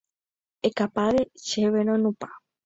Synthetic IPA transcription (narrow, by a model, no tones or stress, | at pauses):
ekapaʋeʃeʋenonũpa